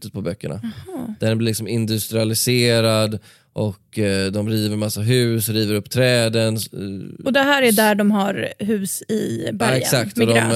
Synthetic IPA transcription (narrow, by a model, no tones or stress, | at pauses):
t̪ːət̪̚pʰɔbœkːəɳa̰hɑd̪̥æɖɛnlɪlɪksɔmɪnd̪ɵst̪ɾɪalɪseːɾad̪ | ʔɔkd̪ɔmɾiːvəɾmasːaɦʉ̟ːsɾiːvəɾɵpːt̪ʰɾɛːd̪ənɔd̪ɛɦæːɾæɖæɖɔmɦaɾɦʉ̟ːsɪbɛksak̚t̪d̪ɔm